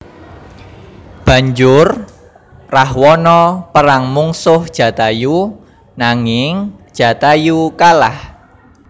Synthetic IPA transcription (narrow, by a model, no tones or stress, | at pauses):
b̥a̤ɲd͡ʒʊr | rahwɔnɔpəɾaŋmuŋsʊhd̥ʒ̥ä̤t̪aju | naŋɪŋd̥ʒ̥ä̤t̪ajukalah